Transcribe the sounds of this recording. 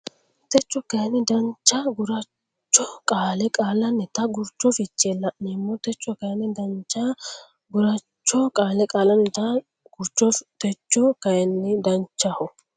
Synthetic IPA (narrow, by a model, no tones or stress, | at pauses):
t̪ɛt͡ʃːɔkɐjɛnːɪd̪ɐnt͡ʃːɐɡʊɾɐ | t͡ʃːɔkʼaːlɛkʼaːlɐnːɛt̪ɐɡʊɾt͡ʃːɔfɪt͡ʃːelːɐʔnɪmːɔt̪ɛt͡ʃːɔkɐjɛnːɪd̪ɐnt͡ʃːɐ | ɡʊɾɐt͡ʃːɔkʼaːlɛkʼaːlɐnːɛt̪ɐ | ɡ̥ʊɾt͡ʃːɔt̪ɛt͡ʃːɔkɐjɐnːɪd̪ɐnt͡ʃːɐhɔ